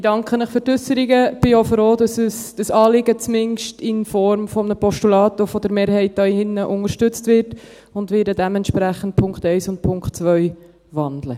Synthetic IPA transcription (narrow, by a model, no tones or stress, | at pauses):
ɪdɑŋkχənɪχfʏɾtʏsəɾiɡəb̥ɪofroːdɑsəsd̥əsɑːlɪɡət͡smɪnʃtɪnfɔɾmfɔmənəpɔʃtulɑːtofɔd̪əɾmeːɾhɛɪt̚dɑihɪnːəʔʊŋəɾʃtʏt͡stvɪrt | ʊndʋɪːdədɛmɛntʃpɾæχən̩t̚pʰʊŋkχtɛɪsʊnt̚pʰʊŋkχtt͡sʋœʏ | vɑndlə